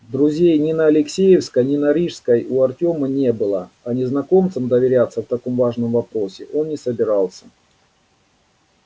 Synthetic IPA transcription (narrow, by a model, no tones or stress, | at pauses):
d̪ɾʊzʲejnʲɪnəɐlʲɪksʲejɪfskənʲɪnɐɾʲiʂskəjuɐrtʲo̞mənʲebɨlˠə | ɐnʲɪznɐko̞mt̪sɨmd̪əvʲɪɾʲat̪səft̪ɐko̞mvaʐnɨmvɐpɾo̞sʲɪʔo̞nːʲɪsəbʲɪɾalˠsʲə̥